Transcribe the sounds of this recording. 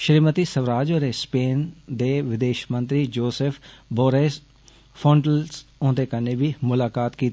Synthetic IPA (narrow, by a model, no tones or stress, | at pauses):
ʃɾiːmət̪iːsəʋɾaːd͡ʒoːɾespeːnd̪eːʋɪd̪eːʃmə̃nt̪ɾid͡ʒoːsefʰboːɾeːs | pʰõːɳɖəlsõːd̪eːkəneːbiːmʊlaːkaːt̪kiːt̪